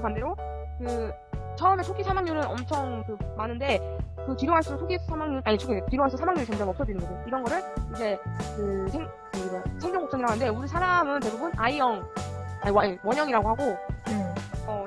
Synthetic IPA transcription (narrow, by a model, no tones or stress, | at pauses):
pandeɾo | kɯ | t͡ɕʰʌʌme̞t͡ɕʰoɡʰisʰamaŋɲuɾɯnʌmt͡ɕʰʌŋkɯmanɯnde̞ | kɯtiɾjoŋɦaɭs͈usʰoɡʰisʰamaŋɲuʔaɲit͡ɕʰoɡitiɾjoŋɦaɭs͈u̥sʰamaŋɲuɾit͡ɕʌŋd͡ʑʌŋʌp̚s͈ʌd͡ʑinɯnɡʌd͡ʑejoiɾʌnɡʌɾɯɭid͡ʑʰe̞kɯsʰeŋ | ɡɯdesʰeŋd͡ʑʌŋɡok̚sʌŋiɾaɡoɦandeuɾisʰaɾamɯnte̞bubɯnʔaijʌŋawawʌɲʌŋiɾaɡoɦaɡo | ʌ